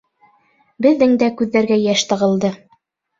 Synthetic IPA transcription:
bɘ̆ðːɘŋd̪ækʉðːæɾɡæjæʃt̪ɤ̆ʁɤ̆lˠd̪ɤ

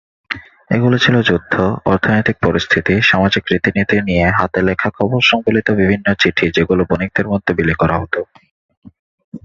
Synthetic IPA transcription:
ḛɡulot͡ɕʰilod͡ʑud̪ʱːoɔɾt̪ʰonojt̪ik̚pɔɾist̪ʰit̪iʃamad͡ʑikːɾit̪init̪ɾinieɦat̪elekʰakʰɔboɾʃɔŋkolit̪obibʱinːot͡ɕiʈʰid͡ʑeɡulobonik̚d̪eɾmɔd̪ʱːobilikɔɾaɦot̪o

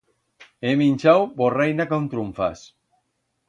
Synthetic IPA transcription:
eminʲt͡ʃawborejnakawnt̪ɾuɱfas

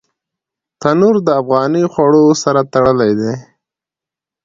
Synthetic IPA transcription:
t̪anuɾd̪əafɣɑnixwaɽosaɾat̪aɽəlajd̪e

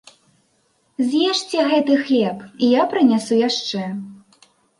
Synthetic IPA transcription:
zʲjɛʂt͡sʲɛɣɛt̪ɨxlʲɛpijapɾɨnʲasujaʂt͡ʂɛ

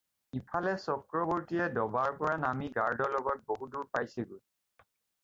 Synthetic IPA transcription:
ipʰalɛsɔkɹɔbɔɹtijɛdɔbaɹpɔɹanamiɡaɹdɔlɔɡɔt̚boɦuduɹpajseɡuj

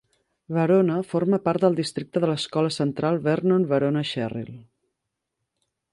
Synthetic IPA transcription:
βəɾonəforməpaɾt̪̚d̪əlˠd̪ist̪ɾik̚t̪əðələskɔləsənt̪ɾalˠβɛɾnonβəɾonəʃɛrḭlˠ

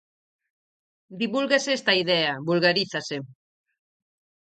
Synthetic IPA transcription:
d̪iβulɣeseest̪aiðɛaβulɣaɾiθase

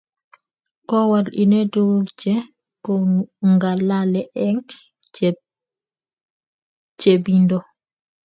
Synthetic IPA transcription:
kɔwalḭnedut͡ʃɛ | kɔŋɡalalɛʔɛŋ | t͡ʃebindɔ

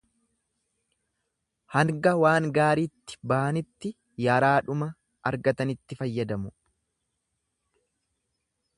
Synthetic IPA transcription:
hɐŋɡɐwaːŋɡaːɾiːt̪ːɪ̥bɐʔɐnɪt̪ːɪ | jɐɾaːᶑʊmɐː | ɾɡɐt̪ɐnɪt̪ːɪfɐjːɐd̪ɐmʊ

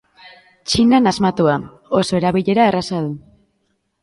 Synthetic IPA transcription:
t͡ʃinanazmat̪ua | o̞soe̞ɾaβiʎe̞ɾaerasaðu

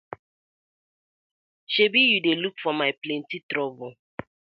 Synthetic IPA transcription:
ʃebijudelukfɔmaɪplẽntitɾɔvʊ

